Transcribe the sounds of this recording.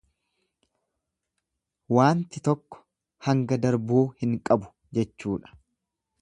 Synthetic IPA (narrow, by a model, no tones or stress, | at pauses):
waːnt̪ɪt̪ɔkːɔ̥ | hɐŋɡɐd̪ɐɾboːhɪŋkʼɐbʊ̥ | d͡ʒɛt͡ʃːuːᶑɐ̥